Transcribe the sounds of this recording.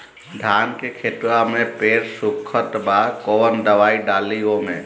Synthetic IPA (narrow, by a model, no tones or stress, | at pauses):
ɖ̪ʱaːnkekʰet̪wamẽpeːɾsʊkʰət̪bakoːnd̪əʋaːiɖaːliɡomḛ̃